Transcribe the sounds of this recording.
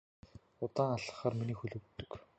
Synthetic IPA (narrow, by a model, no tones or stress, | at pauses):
ʊt̪aːŋaɮə̥̆χaːrminiːxɵɮɵ̆wt̪ːɵ̆k